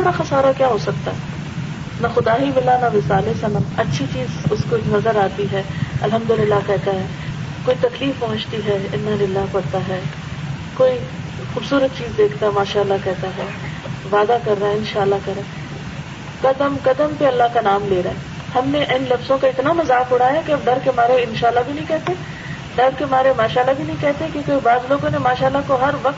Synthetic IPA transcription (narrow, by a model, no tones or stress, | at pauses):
oɾaxɐsaːɾakjaːɦoːsɐk̚t̪aɦɛ | nɐxʊd̪aːɦimɪlanɐʋɪsaːlesãnɐɐtːʃʰit͡ʃiːzʊskonɐzəɾaːt̪iɦɛːɐlɦɐ̃md̪ʊlɪlːakɛɦt̪aɦɛː | koːit̪ɐkliːfpɐɦʊ̃t͡ʃt̪iɦɛɪnːɐlɪlːaɦpɐɾt̪aɦɛː | koːi | xuːbsuːɾət̪̚t͡ʃiːzd̪eːkʰt̪aɦɛmaːʃaəlːakɛɦt̪aɦɛː | ʋaːd̪akɐɾːaɛɪ̃nʃaːəlːakɛɾa | kɐd̪əmkɐd̪əmpeɐlːaɦkanaːmleːɾaːɦɛ | hɐmneʔɐɪnlɐfzõkaɪt̪namɐzaːfʊɽ̤aɦɛkiɐmd̪ɐɾkemaːɾeɪnʃaːlːabʱinɐɦĩkɛɦt̪e | d̪ɐɾkemaːɾemaːʃaːlːabʱinɐɦĩkɛɦt̪ekekoːibaːzloːɡõnemaːʃaːlːakoɦɐɾʋɐk̪̚